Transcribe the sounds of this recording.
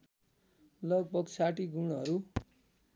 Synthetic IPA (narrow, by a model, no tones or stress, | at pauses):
lʌɡ̚bʌɡsaʈiɡunɦʌɾu